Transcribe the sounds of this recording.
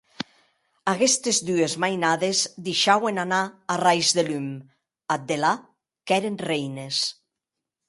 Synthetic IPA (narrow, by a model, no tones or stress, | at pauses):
aɣɛst̪ezd̪yezmajnaðezd̪eʃawenanaːrajzðelym | at̪̚d̪ela | kɛɾenrejnes